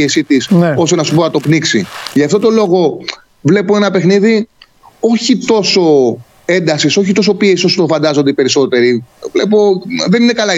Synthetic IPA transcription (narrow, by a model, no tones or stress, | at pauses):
esit̪isno̞st̪enɐsupo̞nɐt̪o̞pniksiʝɐft̪ot̪o̞lo̞ɣo̞ | vle̞poe̞nɐpe̞xniði | o̞çit̪o̞so̞ | e̞nd̪ɐsiso̞çit̪o̞s̬o̞piesio̞sot̪ofɐnd̪ɐzo̞nd̪eipe̞ɾiso̞t̪e̞ɾivle̞po̞ðe̞ninekɐlɐ